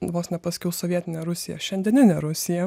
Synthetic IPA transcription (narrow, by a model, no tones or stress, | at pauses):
ʋoːsnʲɛpɐsʲkʲɛʊsoːʋʲiɛt̪ʲɪnʲɛɾʊsʲɪjɛ̰ʃʲɛnʲd̪ʲɛnʲɪnʲɛɾʊsʲɪjɛ